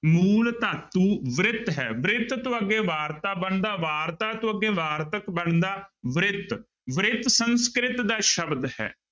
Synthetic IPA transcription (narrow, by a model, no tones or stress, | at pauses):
muːlt̪aːt̪uːʋɾɪt̪ɦɛːʋɪɾɪt̪t̪õːəɡːeːʋaːɾt̪aːbəɳd̪aːʋaːɾt̪aːt̪õːəɡeːʋaːɾt̪əkbəɳd̪aːʋɾɪt̪ | ʋɪɾɪt̪sənskɾɪt̪d̪aːʃəbd̪hɛ̰ː